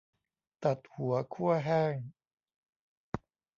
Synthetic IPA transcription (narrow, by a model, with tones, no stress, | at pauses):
t̪a˨˩t̪̚hu˩˦ɐkʰu˥˩ɐɦɛː˥˩ŋ